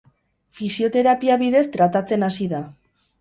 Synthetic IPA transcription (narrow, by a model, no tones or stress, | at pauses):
fisio̞t̪e̞ɾapiaβiðe̞st̪ɾat̪at͡se̞nasiða